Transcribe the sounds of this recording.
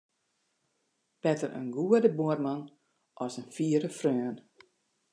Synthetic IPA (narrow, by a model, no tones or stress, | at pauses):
b̥ɛtəɾə̰nɡuədəboərman | ʔɔsənfiːəɾəfrøːn